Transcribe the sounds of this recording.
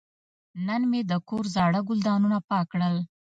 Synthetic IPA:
nənmed̪əkoɾzɑɽaɡʊld̪ɑnunapɑkɽəl

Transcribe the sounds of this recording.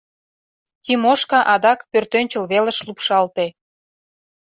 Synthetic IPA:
t̪imoʃkɑʔɑd̪ɑkpørt̪ønʲt͡ɕəlβelə̆ʃlupʃɑlt̪e

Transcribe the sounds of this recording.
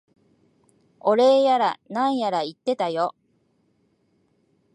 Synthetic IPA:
o̞ɾe̞ːjaɾanãɰ̃jaɾait̪ːe̞t̪ajo̞

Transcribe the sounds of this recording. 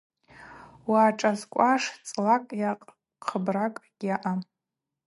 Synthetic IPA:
waːʈ͡ʂʼazkʷʼaʂt͡sʼlakʼjaqʼ | qʰəbrakʼɡ̥ʲaʔa

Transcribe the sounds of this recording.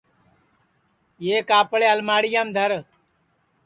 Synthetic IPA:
jeːkaːpɭeːəlmaːɽɪjaːmd̪ʱəɾ

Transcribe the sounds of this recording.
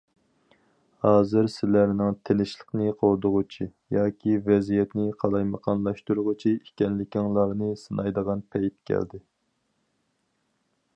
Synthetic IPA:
hɑːzɨɾsɪlæɾnɪŋt̪ʰenɪʃlˠəqnɨqʰolˠd̪ʊʁʊt͡ʃʰijɑːkʲʰivɛzijɛt̪nɪqʰɑlˠɑjməqʰɑnlˠɑʃt̪uɾʊʁʊt͡ʃʰiikʲɛnlɪkʲʰɪŋlˠɑɾnɨsɨnʔɑjd̪əʁɑnpʰɛjp̪̚kʲʰæ̰ld̪ɪ

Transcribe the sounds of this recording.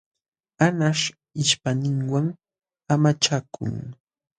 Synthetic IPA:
anaʃ | ɪʃpanɪŋwaŋ | amat͡ʃakʊ̰ŋ

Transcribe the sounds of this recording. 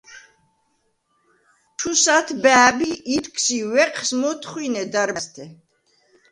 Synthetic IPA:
t̪ʰusat̪ʰbɛːbiʔːt̪kʰsiwɛqʼʰsmɔt̪ʰχwinɛd̪aɾst̪ʰɛ

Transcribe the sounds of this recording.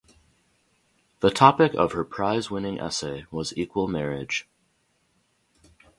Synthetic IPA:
ðətʰɑpɨkʌ̰v̥ə˞pʰɹ̥aɪzwɪ̃nɪ̃ŋʔɛ̰seɪwʌzikwəlˠmɛɹɪd̥ʒ̥

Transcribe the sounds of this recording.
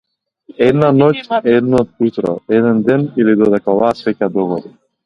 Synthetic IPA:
ɛd̪nanɔcʲɛd̪nɔt̪̚ut̪ɾɔ̰ɛd̪ɛnd̪ɛnilid̪ɔd̪ɛkaɔvasvɛcad̪ɔɣɔd̪i

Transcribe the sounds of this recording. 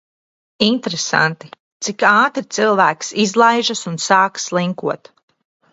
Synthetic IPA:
int̪ɾesa̰nt̪i | t̪sikaːt̪ɾit̪silˠvæːksizlˠajʒasunsaːkslˠiŋkuɔt̪

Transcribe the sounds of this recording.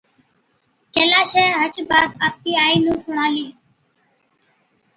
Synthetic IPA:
keːlaːʃeːɦət͡ʃbaːd̪aːp̚kiːaːiːnũːsʊɳ̤aːliː

